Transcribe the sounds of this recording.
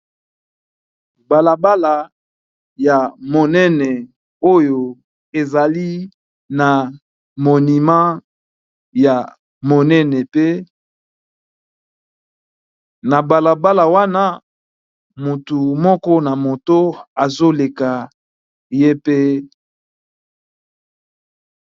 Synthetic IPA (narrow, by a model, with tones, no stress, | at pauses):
ba˨la˨ba˦la˨ | ja˨mo˨nɛ˦nɛ˨ | o˦jo˨ | e˨za˨li˦ | na˨ | mo˨ni˨ma˦ | ja˨ | mo˨nɛ˦nɛ˨pe˦ | na˨ba˨la˨ba˦la˨wa˦na˦ | mu˨tu˨mɔ˦kɔ˦na˨mo˨to˦a˨zo˦le˨ka˨ | je˦pe˦